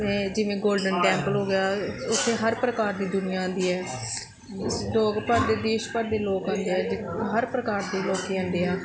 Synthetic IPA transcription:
mɛ̃ːd͡ʒɪʋẽːɡoːlɖənʈɛ̃ːmpəlɦoːɡɪjaːʊt̪ʰːeːɦəɾpɾəkaːɾd̪iːd̪ʊnɪjaːə̃nd̪iːɛː | ʊsloːkpəɾdeːd̪eːʃpəɾd̪eːloːkə̃ːnd̪eːɛːd͡ʒɪɦəɾpɾəkaːɾd̪iːloːkːiːɦə̃ːnd̪eːaː

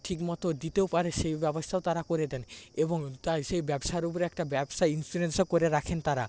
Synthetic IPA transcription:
ʈʰikmɔt̪od̪it̪eopaɾeʃejbɛbost̪ʰaot̪aɾakoɾed̪ɛneboŋt̪ajʃejbɛbʃaeɾupoɾeɛk̚ʈabɛbʃajinsuɾensokoɾeɾakʰent̪aɾa

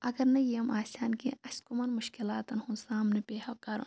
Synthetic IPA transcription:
ɐɡɐɾnɐjɐmʔaːsʲaːnkḭɐskumɐnmʊʃkilaːt̪ɐnhunsaːmnepeːhɐkɐɾṵ

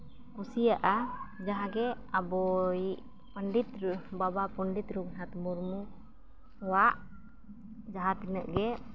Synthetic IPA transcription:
kusiaʔad͡ʒaɦaɡɛ | abɔiʔ | pəɳɖit̪ɾbabapəɳɖit̪ɾuknat̪muɾmu | waʔ | d͡ʒaɦat̪inəʔɡɛ

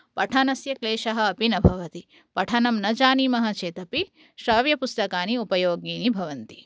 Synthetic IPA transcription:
pɐʈʰɐnɐsjɐkleːʃɐɦɐ̆ːpinɐbʱɐʋɐt̪i | pɐʈʰɐnɐmnɐd͡ʒaːnimɐɦɐt͡ʃeːt̪ɐpi | ʃɾɐːʋjɐpust̪ɐkaːniupɐjoːɡniːnibʱɐʋɐnt̪i̥

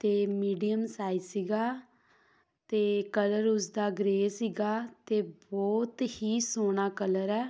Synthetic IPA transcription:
t̪eːmiːɖijəmsaːisiːɡaː | t̪eːkələɾʊs̬d̪aːɡɾeːsiːɡaːt̪eːbɔːt̪hiːsoːnaːkələɾɛː

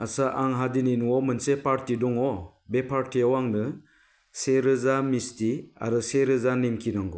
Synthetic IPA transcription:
asaʔaŋɦadininuɔmɯnsepaɾtidɔŋɔ | bepʰaɾtiawaŋnɯ | seɾɯzamistia̰ɾɯseɾɯzanemkʰinɔŋɡɔ

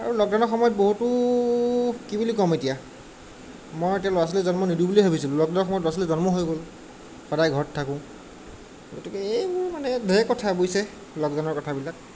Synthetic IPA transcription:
a̰ɹulɔk̚danɔɹxɔmɔjɔt̚boɦutʊ | kibulikɔmetija | mojetijalɔas̬ɔlɛzɔnmɔnidubuliɦobʱisilʊ̃lɔk̚danɔɹxɔmɔjɔt̬as̬ɔlɛzɔnmɔɦojɡol | xɔdajɡʱɔɹɔtʰːakʊ̃ | ɡotikɛebuɹmanɛdʱɛkɔtʰabojsɛ | lɔkdanɔɹkɔtʰabilak̚

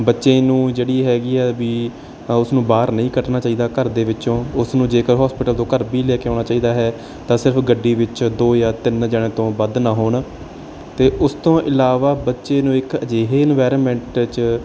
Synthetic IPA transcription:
bətːʃeːnũːd͡ʒeːɽiːɦɛːɡiːɛːʋiː | ʊsnũːbaːɾnəĩːkəʈnaːt͡ʃaːiːd̪aːkəɾd̪eːʋɪt͡ʃõːʊsnũːd͡ʒeːkəɾɦɔːspɪʈəlt̪õːkəɾbiːlɛːkeãːñaːt͡ʃaːiːd̪aːɦɛː | t̪ãːsɪɾpɡəɖːiːʋɪt͡ʃd̪oːjaːt̪ɪnd͡ʒaːɽeːt̪õːbəd̪nãːɦoːɳ | t̪eːʔʊst̪õːʔɪlaːʋaːbətːʃeːnũːɪkəd͡ʒeːɦeːɛnʋaːɾoːmɛ̃ɳʈt͡ʃ

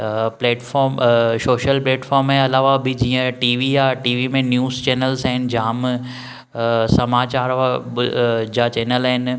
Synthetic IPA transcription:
pleːʈfɔːɾmsoːʃəlpleːʈfʰɔːɾmẽɐlaːʋabʱid͡ʑiːə̃ʈiːʋijaʈiːʋimẽnjuːzt͡ɕɛːnəlsaɦɪnd͡ʑãːm | sɐmaːt͡ɕaːɾʋa | d͡ʑat͡ɕɛːnəlaɦɪn

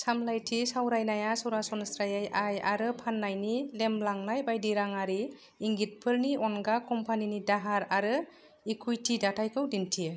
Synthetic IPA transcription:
samlajtʰisawɾajnajasɯwɾasɔnsɾajajʔajaɾɯpʰanːajnilemlaŋnajbajdiɾaŋaɾiː | ŋɡit̚pʰɯlniʔɔnɡakɔmpʰaninidaɦaɾaɾɯ | ikʰujtʰidatʰajkʰɯwdintʰi

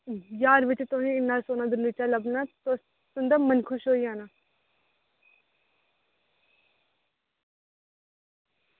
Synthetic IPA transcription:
jaːɾʋɪt͡ʃt̪oːnĩɪnːaːsoːnaːd̪ʊɾnit͡ʃaːləbnaːt̪o | t̪ʊnd̪aːmənkʰʊʃɦoːiaːnaː

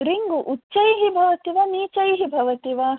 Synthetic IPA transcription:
ɾiŋɡuʔuːt͡ʃːʃɐjɦibʱɐʋɐt̪iʋaniːt͡ʃɐjɦibʱɐʋɐt̪iʋaː

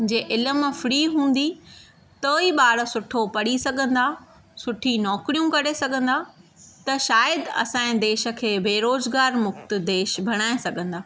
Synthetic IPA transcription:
d͡ʑeːʔɪləmfɪɽiːɦũːn̆d̪i | t̪oːiɓaːɽ̆sʊʈʰopɐɽ̤isɐɡʱə̃nd̪aː | sʊʈʰinɔːkɾijũkɐɾesɐɡʱə̃nd̪at̪ɐʃaːjəd̪ɐ̰sãːẽd̪eːʃə̆kʰeːbeːɾoːzɡaːɾmʊxt̪̆d̪eːʃbʱɐɽ̃aːẽsɐɡʱə̃nd̪aː

